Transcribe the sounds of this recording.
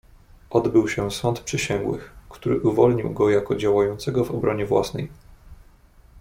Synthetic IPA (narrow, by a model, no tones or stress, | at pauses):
ʔɔd̪bɘwɕɛsɔnt̪pʂɘɕɛŋɡwɘ̰xkt̪uɾɘ̰ʔuvɔlɲḭwɡɔjakɔd͡ʑawajɔnt̪sɛɡɔvɔbɾɔɲɛvwa̰snɛj